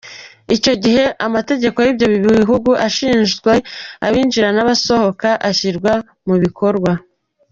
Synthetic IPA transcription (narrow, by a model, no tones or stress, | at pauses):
ico̞ɟiɦe̞ʔamate̞ɟe̞ko̞jiːbjo̞βiβiβiɦuɡuʔaʃiːnʒɡwe̞a̰βiːnd͡ʒiɾanaβaso̞ho̞kaʔaçiɾɡwa | muβikʰo̞ɾɡwa